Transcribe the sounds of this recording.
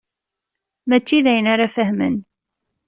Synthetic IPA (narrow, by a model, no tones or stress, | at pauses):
mæt͡ʃːiðæjənaɾafəhmə̰n